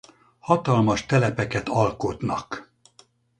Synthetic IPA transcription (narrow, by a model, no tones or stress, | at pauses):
hɒt̪ɒlmɒʃt̪ɛlɛpɛkɛt̪ɒlkot̪nɒ̰k